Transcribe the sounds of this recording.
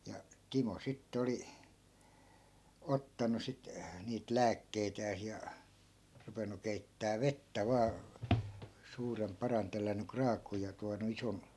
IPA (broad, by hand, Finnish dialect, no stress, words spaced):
jɑ timo sitːĕ oli otːɑnu sit niːt læːkːeitæːs jɑ rupenu keitːæː ʋetːæ ʋɑː suːrem pɑrɑn telːænˑy krɑːkˑuːj jɑ tuɑnu ison